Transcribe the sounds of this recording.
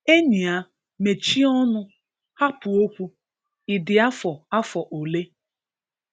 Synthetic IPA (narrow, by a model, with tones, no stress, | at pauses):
e˦ɲi˨a˦ | me˨t͡ʃi˦ɔ˦nʊ˦ | ha˦pʊ˨o˦kʷu˦ | ɪ˨dɪ˨a˦fɔ˨a˦fɔ˨ʔo˨le˦